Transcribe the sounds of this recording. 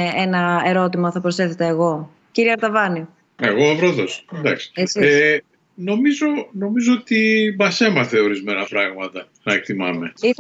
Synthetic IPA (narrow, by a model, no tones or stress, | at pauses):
enɐe̞ɾo̞t̪imɐθɐpɾose̞θet̪eːɣo̞ | ciɾiɐɾt̪ɐvɐni | e̞ɣo̞vɾoðosd̪ɐksi̥ese | no̞mizo̞no̞mizoot̪ibɐse̞mɐθe̞o̞ɾizme̞nɐpɾɐɣmɐt̪ɐ | nɐek̚t̪imɐme̞i